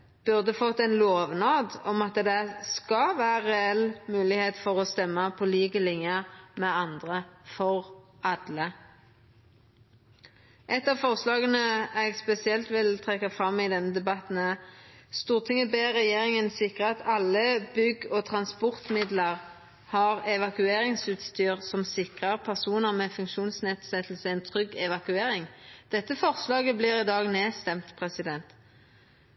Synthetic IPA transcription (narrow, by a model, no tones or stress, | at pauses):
b̥ʉʁd̪əfɔt̪ːɛnloːʋnɑːd̪ɔmɑt̪d̪ɛskɑʋæːʁɛɛlmʉːlɪheːt̪fɔʁoːst̪ɛmːəpʰɔliːkəlɪŋjəmɛɑnd̪ʁəfɔʁɑd̪lə | ʔɛt̪ːɑfɔʁslɑːɡənəɛɡspɛsɪɛlt̪ʋɪlt̪ʰʁɛkːɑfʁɑmːɪd̪ɛnːəd̪ɛbɑt̪n̩əst̪uːʁt̪ʰɪŋəbeːʁɛjeːʁɪŋənsɪkʁəɑt̪ʰɑlːəbʏɡoːt̪ʰʁɑnspɔʁt̪mɪd̪ləʁ | hɑʁɛʋɑkʉeːʁɪŋsʉːt̪st̪yːʁsɔmsɪkʁəʁpʰæʁsuːnəʁmeːfʉŋkʃuːnsned̪sɛt̪ʰl̩səɛnt̪ʰʁʏɡɛʋɑkʉeːʁɪŋd̪̥ɛt̪ːəfɔʁslɑːɡəblɪːʁɪd̪ɑːɡneːst̪ɛmt̪pʰʁɛsɪd̪ɛnt̪